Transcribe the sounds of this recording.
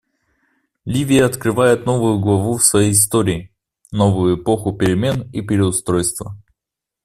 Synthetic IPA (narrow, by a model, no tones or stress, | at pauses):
lʲivʲɪjəɐt̪kɾɨvajɪt̪no̞vʊjʊɡlˠɐvufsvɐjejɪst̪oɾʲɪː | no̞vʊjʊɪpo̞xʊpʲɪɾʲɪmʲe̞nipʲɪɾʲɪʊst̪ɾo̞jst̪və